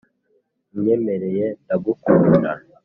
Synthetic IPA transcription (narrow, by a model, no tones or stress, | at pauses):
mɲe̞me̞ɾe̞jendaɡukuːnda̰